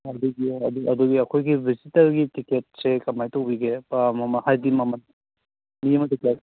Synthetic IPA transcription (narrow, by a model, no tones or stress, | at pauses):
ɐduɡiɐduʔɐduɡiɐkʰojɡibʱizitɐɾɡitiket̚sekɐmajtowbiɡepamamɐnhajdimamɐn | mijemɐdikla